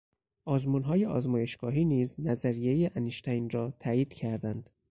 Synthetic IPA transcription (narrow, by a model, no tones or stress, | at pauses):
ʔɒːzmunɦɒːje̞ɒːzmɒːje̞ʃɡ̥ɒːɦiːniːznæzæɾije̞jeʔæneʃt̪ʰæjnɾɒːt̪ʰæːiːd̪̥cʰæɾd̪ænd̪̥